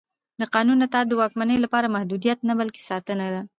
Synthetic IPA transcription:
d̪əqɑnunat̪ɑːd̪ːəwɑkmanəjlapɑɾamahd̪ud̪ijat̪nabalke̥sɑt̪ənad̪a

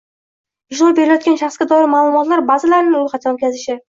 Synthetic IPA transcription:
ɪʃɾɒjbe̞ɾɪlajɒt̪̚kʲanʃaχsɡʲad̪ɒɪɾmaːlˠʊmɒt̪laɾbazɪlaɾɪnɪolˠχɑt̪ʰaot̪̚ʲkʲazɪʃɪ

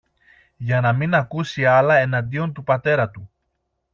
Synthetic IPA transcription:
ʝɐnɐminɐkusiɐlɐe̞nɐnd̪io̞nt̪upɐt̪e̞ɾɐt̪u

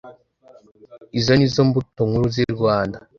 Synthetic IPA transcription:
izonizombutoŋuɾuziɾɡwaːnda

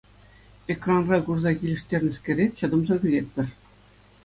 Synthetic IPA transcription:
ekrɑnrɑkurzɑkʲilʲɘ̆ʂt̪ʲerʲnʲɘ̆skʲɘ̆ɾʲeɕɤ̆d̪ɤ̆mzɤ̆ɡʲɘ̆zʲet̪̚ʲpʲɘ̆rʲ

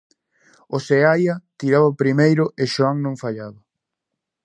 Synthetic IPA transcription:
oseajat̪iɾaβapɾimejɾʊʔeʃoaŋnõŋfaʎaβa

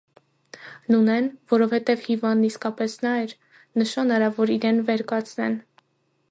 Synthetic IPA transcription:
nunɛnvɔɾɔvhɛt̪ɛvhivɑnd̪nːiskɑpɛsnɑɛɾ | nəʃɑnɑɾɑvɔɾiɾɛnvɛɾkɑt͡sʰnɛ̰n

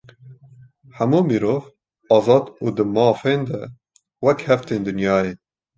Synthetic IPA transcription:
hæmuːmiːɾoːv | ɑːzɑːd̪uːd̪ɨmɑːfeːnd̪ɛ̰ | wɛkhɛft̪eːnd̪ɨnjɑːjeː

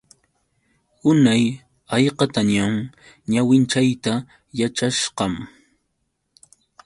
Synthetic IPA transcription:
ʊnaj | ɑjqɑt̪aɲaŋ | ɲawɪnt͡ʃajt̪a | jat͡ʃaʃqɑm

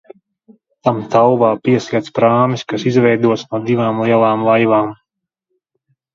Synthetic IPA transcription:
t̪amt̪awvaːpiɛsiɛt̪spɾaːmiskasizvɛjd̪uɔt̪snuɔd̪ivaːmlˠiɛlˠaːmlˠajvaːm

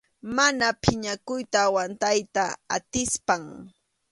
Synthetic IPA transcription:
manapʰɪɲakʊjt̪aːwant̪ajt̪aa̰t̪ɪspaŋ

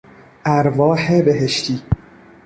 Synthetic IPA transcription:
ʔæɾvɒːhebeɦeʃt̪ʰiː

